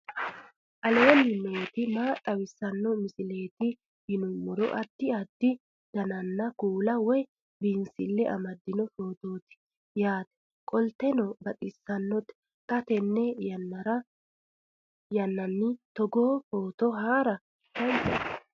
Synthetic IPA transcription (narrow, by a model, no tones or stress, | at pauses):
ʔɐlenːɪnoːt̪ɪmaːt̪ʼɐwɪsːɐnːɔmɪsɪle̞ːt̪ɪ | hɪnʊmːʊɾɔ̰ʔɐd̪̥ːɪɐd̪̥ːɪ | d̪̥ɐnɐnːɐkuːlɐwɔj | biːnsɪlːɛʔɐ̰mɐd̪ːɪnɔfoːt̪oːt̪ɪ̥ | jaːt̪ɛ̥ | kʼɔlt̪ɛnɔbɐt̪ʼɪsːɐnːɔt̪ɛ̥ | t̪ʼɐt̪ɛnːɛjɐnːɐɾɐ | jɐnːɐnːɪt̪ɔɡoːfo̞ːt̪ɔɦaːɾɐ | tɐnt͡ʃɐ̰